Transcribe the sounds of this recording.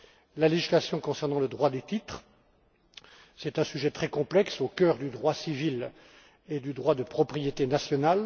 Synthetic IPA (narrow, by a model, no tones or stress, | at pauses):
laleʒislasjɔ̃kɔ̃sɛʁnɑ̃ləd̪ʁwad̪et̪it̪χ | sɛt̪ɛ̃syʒɛt̪χɛkɔ̃plɛksokʲœːʁd̪yd̪ʁwasivil | ed̪yd̪ʁwad̪əpχɔpχijet̪enasjɔnal